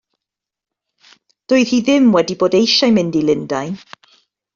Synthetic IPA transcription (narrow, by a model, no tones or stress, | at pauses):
d̥ʊɨð̥hiːðɪmwɛdiboːdejʃajmɪndilɪndaj